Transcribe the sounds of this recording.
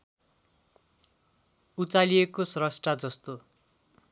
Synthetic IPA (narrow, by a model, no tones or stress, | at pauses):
ut͡saliekosrʌsʈrad͡zʌst̪o